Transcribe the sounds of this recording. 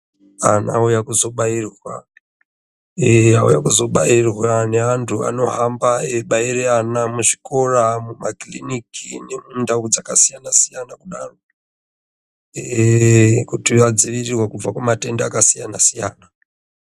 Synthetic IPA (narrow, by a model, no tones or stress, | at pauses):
ana̰ujakuzo̞ɓairwa̰ | eaṵjakuzo̞ɓairwaneantʰua̰no̞ɦambaeɓaireanamuʐi̥ko̞ramumaklḭnikʰine̞mundaud͡zakasijanasijanakuɗaro | kutiad͡ziʋirirwakub͡vakwamate̞ndaakasijanasija̰ːna